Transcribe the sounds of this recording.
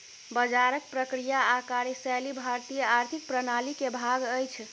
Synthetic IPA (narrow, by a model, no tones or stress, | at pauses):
bəd͡ʒaɾək̚pɾəkɾijaːkaɾesalibʱaɾt̪ijəaɾt̪ʰik̚pɾənalikebʱaɡəjt͡ʃʰ